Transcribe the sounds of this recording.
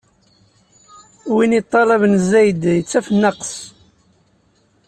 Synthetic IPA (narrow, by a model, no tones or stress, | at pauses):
winit̪ˤːɑlɑvənzæjd̪jət͡sːæfənːɑqs